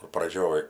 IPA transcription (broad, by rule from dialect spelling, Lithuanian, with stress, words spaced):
kʊr prɐˈd͡ʒʲoːj